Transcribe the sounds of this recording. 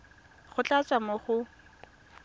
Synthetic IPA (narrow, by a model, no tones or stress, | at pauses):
χʊt͡ɬʼat͡sʼamoχʊ